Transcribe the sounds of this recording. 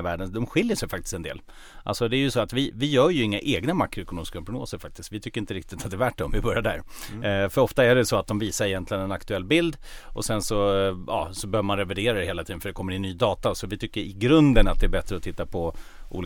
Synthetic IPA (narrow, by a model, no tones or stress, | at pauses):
væːɖənd̪ɔmɧɪljəʂɛjəfakt̪ɪ̥st̪ɛnd̪ḛːl | ʔalsɔd̪ɛːɾjɵsɔat̪vɪvɪjœːɾjɵɪŋːaʔeːɡnamakːɾʊɛkʊnoːmɪskapɾʊɡno̰ːsəɾfak̚t̪ɪ̥skt̪vɪt̪ʰʏkːəɾɪnt̪əɾɪk̚t̪ɪt̪at̪d̪ɛːɾvæːʈɖɛɔmvɪbœɾjaɖ̪æ̰ːɾfœɾɔft̪aæɖɛsɔat̪̚d̪ɔmviːsaɾɛjɛnt̪lɪɡənɛnakt̪ɵɛlːbɪld̪ʔɔ̰sɛnsɔjɑ̰ːsɔbɛhøːvəɾmanɾɛvæɖeːɾad̪ɛheːlat̪ʰiːd̪ənfœɖɛkʰɔmːəɾɪnːyːd̪ɑːt̪asɔvɪt̪ʰʏkːəɾɪɡɾɵnd̪ənat̪̚d̪ɛæbɛt̪ːɾəɔt̪ʰɪt̪ːapʰɔʔṵːl